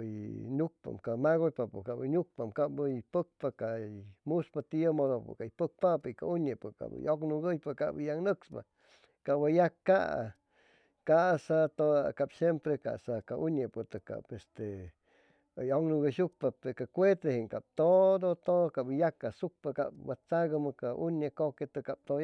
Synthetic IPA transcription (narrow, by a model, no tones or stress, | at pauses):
jnuk̚pa̰mkamaɣojpapokaʔbənuk̚pamkaʔbəpək̚pakamuspat̪iəmod̪opkajpək̚papɨka̰uɲepɨka̰bə̰joknuɡəjpakaʔbijaŋnəkspa̰ | kaʔbajakːaʔa̰ | kaʔsat̪okapsjempɾeka̰sakaʔunepɨt̪əka̰pest̪e | ajoŋnuɡəʃuk̚papekakʷet̪ɾehiŋkap̚t̪od̪ot̪ookabijakːasuk̚paka̰p̚wat͡saɡamakaunekoket̪ɨkap̚t̪o